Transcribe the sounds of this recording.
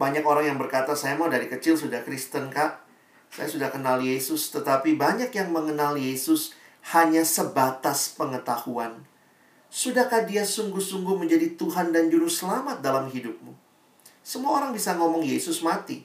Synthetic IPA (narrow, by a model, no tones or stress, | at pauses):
baɲakoɾaŋjaŋbərkat̪asajamaudaɾikət͡ʃɪlsudahkɾist̪ənkaʔ | sa̰jasudahkənaljesʊst̪ət̪apibaɲakjaŋməŋənaljesʊs | haɲasəbat̪aspəŋət̪ahuan | sudahkadiasuŋɡʊhsuŋɡʊhməɲd͡ʒadit̪uɦandand͡ʒuɾʊsəlamat̪̚dalamɦidʊp̚mu | səmuaoɾaŋbisaŋomɔŋjesʊsmat̪i